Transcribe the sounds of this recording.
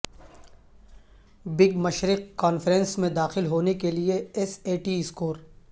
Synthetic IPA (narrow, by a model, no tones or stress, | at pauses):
bɪɡmɐʃɾɪqkaːnfɾɛ̃nsmẽd̪aːxɪlɦoːnekelieɛseːʈiɪskoːɾ